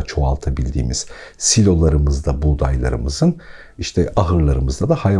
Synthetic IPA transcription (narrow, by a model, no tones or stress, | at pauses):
t͡ʃʰo̞alˠt̪ʰabilʲd̪ḭːmiz̥silʲo̞lˠaɾɯmɯzd̪abud̪ajlˠa̰ɾɯ̰mɯzɯn | iʃt̪ʰɛʔaɦɯɾlˠaɾɯmɯzd̪ad̪ahaj